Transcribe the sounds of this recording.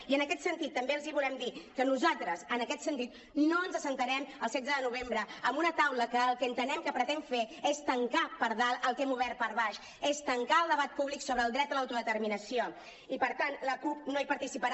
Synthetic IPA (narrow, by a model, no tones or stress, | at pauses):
iənəkɛt̪sənt̪it̪ːəmbeəlˠziβulɛmd̪ikənuzalˠt̪ɾəsənəkɛt̪sənt̪it̪̚ | noənzəsənt̪əɾɛməlˠsɛdd͡zəðənuβ̞embɾəəmbunət̪awləkəːlˠkəːnt̪ənɛmkəpɾət̪ɛɱfeest̪əŋkapəɾðaəlˠt̪emuβ̞ɛɾt̪̚pəɾβaʃ | est̪əŋkaəlˠd̪əβ̞at̪̚puβliksoβɾəːlˠd̪ɾɛt̪̚əlawt̪uðət̪əɾminəsio | ipəɾt̪anləkupnoipəɾt̪isipəɾ